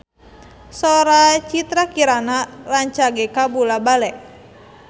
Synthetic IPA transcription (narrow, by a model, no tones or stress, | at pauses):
sɔɾat͡ʃit̪ɾakiɾanaraɲt͡ʃaɡɛkabulabalɛʔ